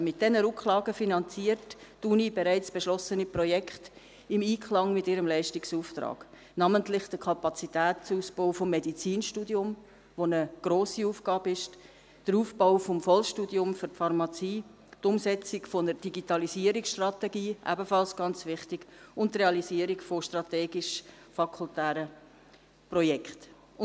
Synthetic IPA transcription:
mɪt̚d̥ɛnəɾʊkχlɑːɡəfinɑnt͡siəɾttunibeɾæɪt͡sb̥eʃlɔsəniprɔjɛkχt | ɪmiːkʰχlɑŋmɪtɪɾəmlɛɪʃtiksuːft̪ɾɑ̰ːɡ̥ | nɑməntlɪχd̥əkʰɑpɑt͡sitæːtt͡suːspoʊfomːɛdit͡siːnʃtuːdiʊm | ʋonəɡ̥ɾoːsiuːfɡ̥ɑːbɪʃ | d̥əɾuːfbaʊfomfɔlʃtuːdiʊmfʏɾtfɑɾmɑt͡siː | tʊmsɛt͡sɪkfonəɾd̥iɡitɑlisiəɾiksʃtrɑtɛɡiːʔæ̰bəfɑlsɡ̥ɑnt͡svɪχtɪɡ̥ʊntːreɑliziəɾikfoʃtrɑtɛːɡiʃ | fɑkʰultæːɾə | prɔjɛkʰt

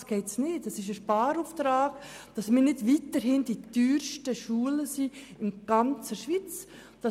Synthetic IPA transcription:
sɡ̥eɪtsnɪːtɛsɪʃ̬əʃpɑːɾuːftɾɑːɡd̥ɑsmɪːɾnɪdʋiːtəɾhɪnd̥ityːɾʃtəʃuːələsiɪnɡ̥ɑnt͡səʃʋit͡s | d̥ɑ

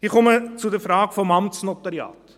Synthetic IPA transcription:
hiːkɔmət͡sudəfrɑːkfɔmɐmtsnɔtɐɾiɑ̰ːt

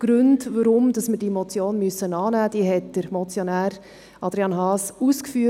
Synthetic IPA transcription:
ɡ̥ɾɵndʋəɾʊmd̥ɑsməɾdimɔt͡sjoːnmysːənɑːnæːd̥iːɦɛt̚d̥əɾmɔt͡sjonæːɾ | ɑd̥̪ɾiɑnɦɑːsuskfyːə

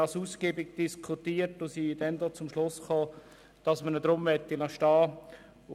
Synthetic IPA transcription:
ɑsuːsɡeːbɪɡ̚d̥iskʰʊtiːətosid̥ɛndɔːt͡sʊmʃlʊsχoː | d̥ɑsmənədɾʊmʋɛtːilɑʃtɑː

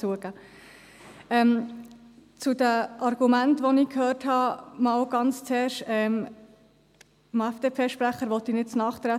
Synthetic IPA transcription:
uəɡ̥æː | ɛm | t͡sudæʔɑɾɡ̥umæntʋɔniːkʰhøːrthɑmɑːwɡ̥ɑnt͡st͡sɛːɾʃɛm | mæfd̥eːpʰeːʃpɾæχəɾʋɔt̪inɪt̚t͡snɑːχt̪ɾæ

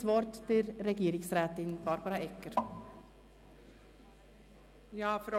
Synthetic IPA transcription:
ʋɑːɾʈt̪ɪɾɛɡeːɾɪŋsɾæːt̪ɪnbɑɾbɑɾɑɛkːəɾ | jɑːfɾ

